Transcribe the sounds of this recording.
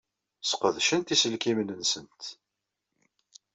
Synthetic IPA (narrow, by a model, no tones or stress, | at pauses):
sqəðʃənt̪isəlkimnənsənt̪